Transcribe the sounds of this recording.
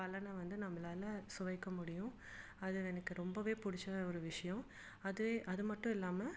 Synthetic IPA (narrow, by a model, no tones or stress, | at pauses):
ɐlɐnɐʋɐnd̪ɯnɐmːɐlaːlɐsʊʋɐɪkːɐmʊɽɪjʊ̃ | ɐðɯɛnɐkːɯɾɔmbɐʋeːpʊɽɪt͡ʃːɐɔɾɯʋɪʂɐjɔ̃ | ɐðɯeːʔɐðɯmɐʈːʊ̃ɪlːaːmɐ